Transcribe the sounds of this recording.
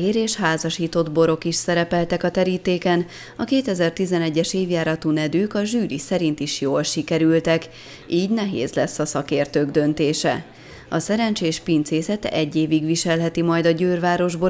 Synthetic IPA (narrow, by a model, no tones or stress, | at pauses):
eːɾeːʃhaːzɒʃiːt̪o̞d̪bo̞ɾo̞kiʃsɛɾɛpɛlt̪ɛkɒt̪ɛɾiːt̪eːkɛn | ɒkeːt̪ɛzɛrt̪izɛnɛɟːɛʃeːvjaːɾɒt̪uːnɛd̪yːkɒʒyːɾisɛɾint̪iʃjoːlʃikɛɾylt̪ɛk | iːɟnɛɦḛːzlɛsːɒsɒkeːrt̪øːɡd̪ø̞nt̪eːʃɛ̰ | ɒsɛɾɛnt͡ʃeːʃpint̪seːsɛt̪ɛ̰ɟːeːviɡʋiʃɛlɦɛt̪imɒjd̪ɒɟøːrvaːɾo̞ʒbo